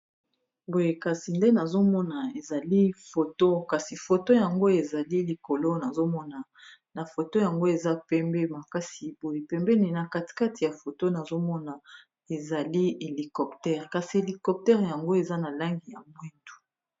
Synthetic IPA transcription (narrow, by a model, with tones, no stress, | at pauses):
bo˨je˨ka˨si˨nde˦na˨zo˦mɔ˦na˨e˨za˨li˦fo˨to˦ka˨si˨fo˨to˦ja˨ŋɡo˦e˨za˨li˦li˨ko˨lo˦na˨zo˦mɔ˦na˨ | na˨fo˨to˦ja˨ŋɡo˦e˨za˦pɛ˦mbɛ˦ma˨ka˦si˨b̥o˨je˨pɛ˦mbɛ˦ni˨na˨ka˦˨ti̥˨ka˦ti˨ja˨fo˨to˦na˨zo˦mɔ˦na˨ | e˨za˨li˦e˨li˨kɔ˨ptɛ˦ʁka˨si˨e˨li˨kɔ˨p̚tɛ˦ʁja˨ŋɡo˦e˨za˦na˨la˦ŋɡi˨ja˨mwi˦ndu̥˨